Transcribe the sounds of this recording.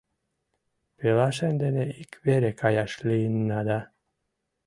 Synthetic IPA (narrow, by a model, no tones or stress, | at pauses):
pelaʃend̪eneikveɾekʰajaʃliːnːad̪a